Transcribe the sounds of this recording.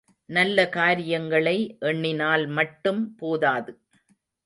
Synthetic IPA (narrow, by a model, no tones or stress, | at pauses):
nɐlːɐkaːɾɪjɐŋɡɐɭɐɪʔɛɳːɪnaːlmɐʈːɯmpoːðaːðɯ